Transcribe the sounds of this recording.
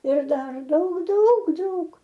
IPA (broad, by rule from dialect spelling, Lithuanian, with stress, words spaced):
ɪr ˈdɐr ˈdɐʊk ˈdɐʊk ˈdɐʊk